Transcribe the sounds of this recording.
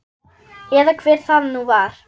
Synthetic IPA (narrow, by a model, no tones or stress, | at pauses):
ɛːðakʰv̥ɛːɾ̥θaðnuvaɾ̥